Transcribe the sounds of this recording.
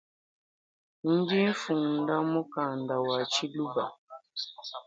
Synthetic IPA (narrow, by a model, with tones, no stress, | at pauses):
n̩˦di˦n̩˦fu˨ŋn˨˦da˦mu˦ka˨n˨da˨wa˨t͡ʃi˦lu˦ba˨